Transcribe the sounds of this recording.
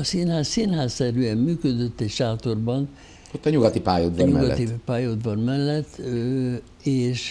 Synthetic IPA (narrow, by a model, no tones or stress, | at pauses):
ɒsinhaːssinɦaːsːɛɾyɛmːyːkød̪øt̪ːɛcʃaːt̪o̞rbɒn | ot̪ːɒɲuɡɒt̪ipa̰ːjod̪ʋɔɲmṵɡɒt̪ipaːjod̪ʋɒnmɛlːɛt̪ː | eːʃ